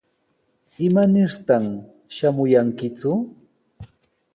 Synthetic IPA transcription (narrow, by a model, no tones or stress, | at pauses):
ɪmanɪɾt̪am | ʃamʊjaŋkɪt͡sʊ